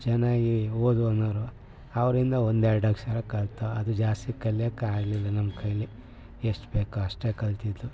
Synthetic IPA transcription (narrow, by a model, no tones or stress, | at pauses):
d͡ʒɛnaːɡioːd̪uonɐːɾu | ɐʋɐɾind̪ɐond̪eɾɽɐkʂɐɾɐkɐlt̪ɐɐd̪ud͡ʒaːst̪ikɐljɐkːeaːɡlilːɐnɐmːɐkʰɐjli | eʂʈbeːkuɐʂʈeːkɐlt̪id̪ɾu